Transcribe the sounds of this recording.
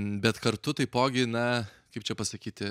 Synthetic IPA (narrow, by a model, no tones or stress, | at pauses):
bʲɛt̪kɐrt̪ʊt̪ɐɪpoːɡʲɪnɐkɐɪp̚t͡ʃʲɛpɐsɐkʲiːt̪ʲɪ